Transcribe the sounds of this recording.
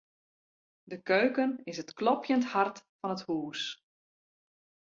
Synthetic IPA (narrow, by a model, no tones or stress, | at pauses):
dəkøɥkənɪsətklɔpjənthartfɔnəthuːs